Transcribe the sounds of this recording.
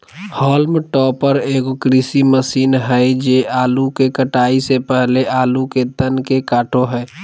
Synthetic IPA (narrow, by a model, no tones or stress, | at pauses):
hɔːlmʈɔːpəɾeːkokɾisiməsiːnɦɛd͡ʒeaːlukekəʈaːisepɛɦleʔaːluked̪ənkekaːʈoɦɛː